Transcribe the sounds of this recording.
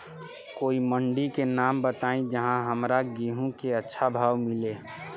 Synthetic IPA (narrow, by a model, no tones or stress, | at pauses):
koːiməɳɖikenaːmbət̪aːĩd͡ʒəɦãɦəmɾaɡiɦũkeɐtːʃʰabʱaːʋmɪleː